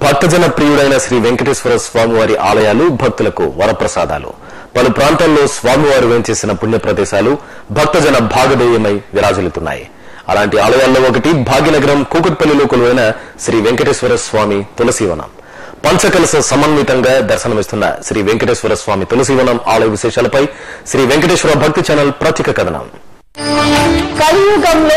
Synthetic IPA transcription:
bʱɐk̚t̪ɐd͡ʒɐnɐpɾiːjuɽɐjnɐʃɾiːʋeŋkɐʈeʃʋɐɾɐsʋaːmiʋaːɾiʔa̰ːlɐjaːlubʱɐk̚t̪ulɐkṵʋɐɾɐpɾɐsaːd̪a̰ːlṵ | pɐlupɾaːnt̪aːlːo̞ːsʋaːmiʋaːɾuʋeːmt͡ʃe̞ːsinɐpunjɐpɾɐd̪ɛːʃaːlu | bʱɐk̚t̪ɐd͡ʒɐnɐbʱaːɡɐd̪ɛːjɐmɐjʋiɾaːd͡ʒɐlit̪unːa̰ːjḭ | ɐ̰laːɳʈiaːlɐjaːlːo̞ːɔkɐʈibʱaːɡjinɐɡɐɾɐmkuːkɐʈ̚pɐlːilɔːkɐluʋɐjnɐʃɾiːʋeŋkɐʈeːʃʋɐɾɐsʋaːmit̪ɔlɐsiːʋɐ̰nɐ̰m | pɐɲt͡ʃɐkɐlɐsɐsɐmɐnɐmit̪ɐŋɡaːd̪ɐɾʃɐnɐmist̪unːɐ̰ʃɾiːʋeŋkɐʈeːʃʋɐɾɐsʋaːmit̪ɔlɐs̬iːʋɐnɐmaːlɐjɐʋiʃɛːʂaːlɐpɐjʃɾiːʋeŋkɐʈeːʂʋɐɾaːbʱɐk̚t̪it͡ʃɛːnɐlpɾɐt̪jikɐkɐd̪ʱɐnɐ̰m | kɐlijɐɡɐml

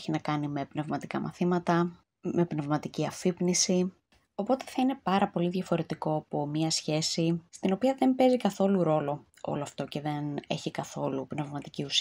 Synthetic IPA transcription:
çinɐkɐnime̞pne̞vmɐt̪ikɐmʔɐ̰θimɐt̪ɐ | me̞pne̞vmɐt̪iciɐfipnisi | o̞po̞t̪e̞̥θɐine̞pɐɾɐpo̞liðʝɐfo̞ɾe̞t̪iko̞ɐpo̞mɲɐsçe̞sist̪ino̞piɐðe̞mpe̞zikɐθo̞luɾo̞lo̞ | o̰lo̞ɐft̪o̞ce̞ðe̞ne̞̰çikɐθo̞lupne̞vmɐt̪icius

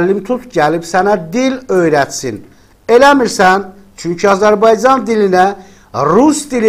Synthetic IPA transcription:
lːimt̪ʰut̪ɟælibsænæd̪ilø̞jɾæt̪sin | e̞læmiɾsæn | t͡ʃʰyɲcʰiɑzæɾbɑjd͡ʒɑnd̪ilinæ | ɾusd̪il

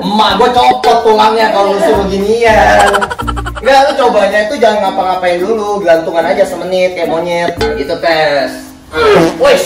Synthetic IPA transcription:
maʔɡuat͡ʃopət̪̚pulaŋɲakalousʊbəɡinija | ɡakat͡ʃobaɲait̪ud͡ʒaŋanŋapaŋapaiduluɡɡant̪uŋanad͡ʒasəmənɪt̪̚jamoɲɪt̪̚ɡit̪ut̪ɛs | wo

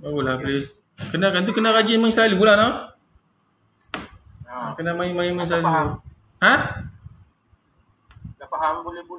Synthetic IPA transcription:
baulabəle | kənakant̪̬ukənakad͡ʒimaɲsailibulanɔ | kənamãjimaimaɲs̬aliu | ha | l

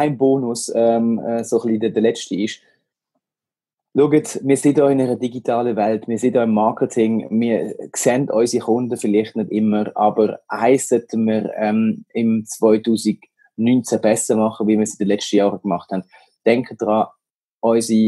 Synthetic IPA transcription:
aɪmboːnʊsɛmɛːsoχlidədəlɛt͡ʃtiɪʃ | luəɡətmɪːɐsɪdɔːɪnɛʁədiɡitʰaːləvɛltmɪɐsɪdɔːɪmːɑːkʰətʰɪŋmiːɐksɛndɔʏsixʊndəfɪlɪχtnɪdɪməɾɑ̰ːbəɾhaɪssœtəməɾɛmɪmt͡svɔʏtuːziɡ | nynt͡sæb̥ɛsəmɑχəviːmiːɐsɪdəlɛt͡ʃtəjɑːʁəɡ̥mɑχthɛnd̥ | d̥ɛŋkʰəd̥ʁɑː | ʔɔʏsi

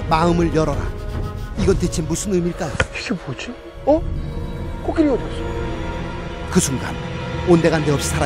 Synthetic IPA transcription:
maɯmɯɭjʌɾʌɾa̰iɡʌntet͡ɕʰinmusʰɯnɯmiɭk͈ajokʰipot͡ɕi | ʌ | kok͈iɾiodos͈ | kɯsʰuŋɡa̰nonde̞ɣandeʌp̚ɕ͈ʰi̥sʰaɾa

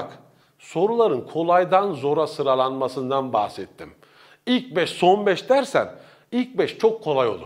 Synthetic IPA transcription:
k | so̞ɾulˠaɾɯnkʰo̞lˠajd̪anzo̞ɾasɯɾalˠanmasɯnd̪anbahsɛt̪ʰːim | ilʲc̚bɛʃso̞nbɛʃd̪æɾsæ̰n | ilʲc̚bɛʃt͡ʃʰo̞kʰːo̞lˠajo̞lˠu

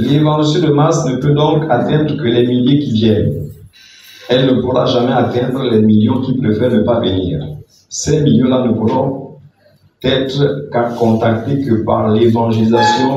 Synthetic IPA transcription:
levɑ̃lisẽd̪əmasnəpød̪ɔ̃kʰat̪ɛ̃d̪ʁəkəlɛmiljekivjɛn | ɛlnəpuʁa̰ʒamɛat̪ɛ̃d̪ʁəlɛmiljɔ̃kipʁevʁɛnəpavənḭːʁ | sɛmiljɔ̃lanəpuʁɔ̃ | t̪ɛt̪ʁəkakɔ̃t̪ak̚t̪ekəpa̰ʁlevɑ̃ʒelizasjɔ̃

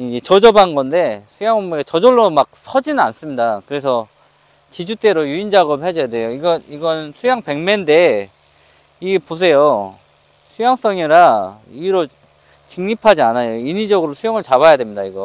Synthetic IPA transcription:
iɡet͡ɕʌd͡ʑʌbanɡʌnde̞sʰujaŋomeɡet͡ɕʌd͡ʑoɭːomak̚sʰʌd͡ʑinɯnans͈ɯmɲidakɯɾe̞s̬ʰʌ | t͡ɕid͡ʑut͈e̞ɾojuind͡ʑaɡʌbɦed͡ʑʌjadwe̞joiɡʌniɡʌnɯnsʰujaŋpe̞ŋmende̞ | iɡepos̬ʰe̞jo | sʰujaŋs͈ʌŋiɾa | iɾo | t͡ɕɯŋɲipʰad͡ʑianajoiɲid͡ʑʌɡɯɾosʰujʌŋɯɭt͡ɕaβajadwe̞mɲidaiɡʌ

